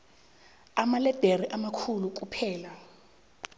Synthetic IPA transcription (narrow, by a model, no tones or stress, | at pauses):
amalɛd̥ʱeriʔamakʰuluk̬ʼupʰɛːla